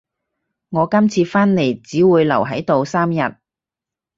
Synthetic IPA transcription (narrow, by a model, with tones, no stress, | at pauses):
ŋɔː˨˧kɐ˥mt͡sʰiː˧faː˥nle˨˩jt͡siː˨˥wuː˨˧jlɐ̰˨˩wɦɐ˨˥jt̪o˨˧wsaː˥mjɐ˨t̚